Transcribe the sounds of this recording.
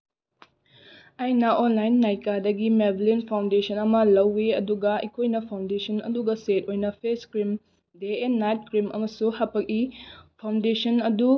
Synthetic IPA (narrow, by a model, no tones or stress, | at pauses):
ɐjnɐʔonlajnːajkadɐɡimeblinpʰawndesʰɐnɐmɐlɐwːeɐduɡɐḭkʰojnɐpʰawndesɐnɐ̰duɡɐset̚ojnɐpʰeskɾim | deenːajt̚kɾimɐ̰mɐsuhapʰɐk̚ipʰawndesɐnɐdu